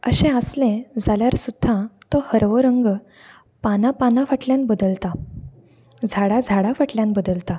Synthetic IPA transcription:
əɕẽəslẽd͡zaljaɾsud̪ʱːãt̪ɔhəɾʋoɾəŋɡ | panapanafəʈljãnbəd̪əlt̪a | d͡zʱaɽad͡zʱaɽafəʈljãnbəd̪əlt̪a

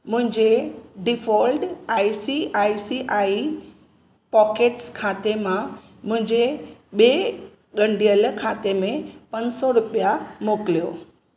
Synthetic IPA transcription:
mʊ̃ɦɪ̃ɲd͡ʑeɖɪfʰɔːlɖaːisiʔaːisiʔaːi | pɔːkeːʈskʰaːt̪emã | mʊ̃ɦɪ̃ɲd͡ʑeɓeː | ɠə̃ɳɖijəlkʰaːt̪emẽpɐnsɔɾʊpijamoklijo̰ː

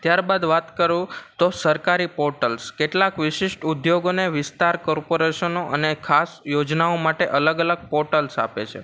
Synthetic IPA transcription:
t̪jaɾbad̪ʋat̪kəɾũt̪osəɾkaɾipɔɾʈəlskeʈlakʋɪʃɪʃʈud̪joɡoneʋɪst̪aɾkɔɾpoɾeʃənoʔənekʰasjod͡ʒnaomaʈeʔələɡələɡ̚pɔɾʈəlsa̰pḛt͡ʃʰḛ

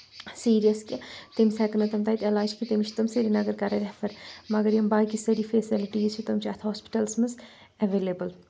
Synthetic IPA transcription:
siːɾijɐskʲit̪emsɛːkɐnɐt̪ɐmt̪ɐit̪elaːd͡ʒkit̪emit͡ʃʰt̪ɨmsiɾinɐɡɐɾkɐɾɐɾʲɛfɐɾmɐɡɐɾjɐmbaːkisɐɾifeːsiliʈizt͡ʃʰut̪ɐmt͡ʃʰiɐt̪ʰɦoːspi̥ʈɐlsmɨz | ɐʋeːlebəl

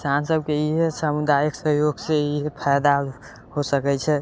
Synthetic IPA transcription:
kisansəb̚ʱkeiɦesamud̪ajeksəɦjoɡseiɦepʰɛjd̪a | hosəkɛt͡ʃʰɛ

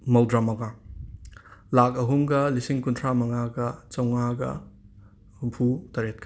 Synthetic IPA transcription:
mɐwdɾamɐŋa | lak̚ɐɦumɡɐlisiŋkuntʰɾamɐŋaɡɐt͡ʃɐwŋaɡɐ̰ | humpʰutɐɾet̚kʰɐ

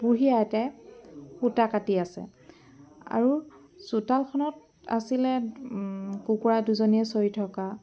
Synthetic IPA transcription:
buɹijaɛtɛ | xutakatiasɛ̰ | a̰ɹu | sutalkʰɔnɔt | a̰silɛ | kukuɹaduzoniɛsoɹitʰɔka

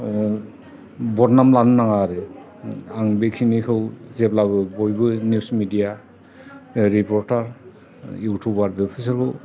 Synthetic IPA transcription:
bɔtnamlannaŋaɾe | aŋbekʰinikʰɯwzɛplabɯbɔjbɯnjusmidija | ɾipɔɾtaɾ | jutʰubaɾbepʰisaɾkɯ

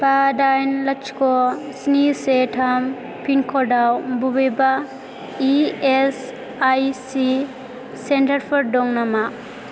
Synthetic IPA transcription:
padajnlɐt͡ʃkɔsnisetʰam | pʰinkʰɔdawbubeba | ies | ajsi | sentɐɾpʰɔɾdɔŋnama

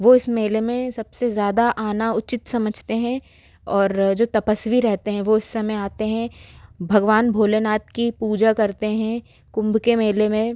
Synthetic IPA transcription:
ʋoɪsmeːlemẽsɐbsezjaːd̪aʔaːnaʊt͡ʃɪt̪sɐməd͡ʒʱt̪eɦɛ̃ | ɔːɾd͡ʒoːt̪ɐpəsʋiɾɛɦt̪eɦɛ̃ʋoɪsːɐmɛaːt̪eɦɛ̃bʱɐɡʋaːnbʱoːlenaːt̪kipuːd͡ʒakɐɾt̪eɦɛ̃ | kʊ̃mbkemeːlemẽ

